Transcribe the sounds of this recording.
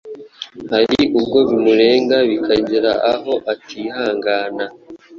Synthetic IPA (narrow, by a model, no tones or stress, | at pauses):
haɾiʔub̚ɡo̞βimuɾe̞ːŋɡaβikʰaɲɟeɾaʔaɦo̞ʔatʰiɦaːŋɡaːna